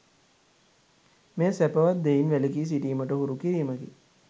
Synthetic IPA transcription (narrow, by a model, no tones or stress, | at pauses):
mesæpəʋat̪̚d̪einʋælekiːs̬iʈiːməʈəɦuɾukiɾiːməkḭ